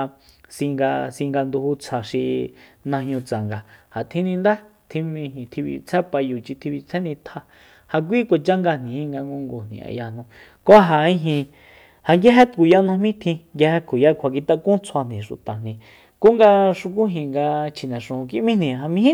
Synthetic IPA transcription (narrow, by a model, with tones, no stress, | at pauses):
sĩ˧ŋɡa˧sĩ˧ŋɡa˧nd̪u˧hu˧t͡sʰa˨ʃi˧nã˧ɦɲũ˧t͡sa˨ŋɡa˨ha˨t̪ʰĩ˦˧nĩ˧nd̪a˦t̪ʰĩ˧mĩ˧ɦĩ˨t̪ʰi˧βḭ˧t͡sʰɛ˦pa˧ju˨t͡ʃi˧t̪ʰi˧βi˧t͡sʰɛ˦nĩ˧t̪ʰa˧ | ha˧k̬ʷi˦kʷa˨t͡ʃa˦ŋɡa˧n̥ĩ˨ĩ˦˧ŋɡa˧ŋɡõ˧ŋɡo˨n̥ḭ̃˨a̰˨ja˧n̥ũ˧ | ko˦a˦ɦa˨ĩ˧ɦĩ˧ | ha˧ŋɡja˦ɦe˦t̪ku˨ja˦nã˧mĩ˦t̪ʰĩ˧ŋɡja˧he˧kʰu˨ja˦kʰʷa˨k̬i˧t̪a˧kũ˦t͡sʰwa˧n̥ĩ˨ʃu˨t̪a˨nĩ˨ | ko˦ŋɡa˧ʂu˧k̬u˦ɦĩ˨ŋɡa˧t͡ʃʰi˨nɛ̃˨ʂũ˨˧k̬i˧ʔmĩ˦nĩ˨ɦa˧mĩ˧˦ĩ˦